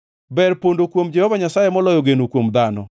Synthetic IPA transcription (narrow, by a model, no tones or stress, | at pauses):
bɛɾpondokwomd͡ʒɛhɔvaɲasajemɔlɔjoɡenokwomd̪anɔ̰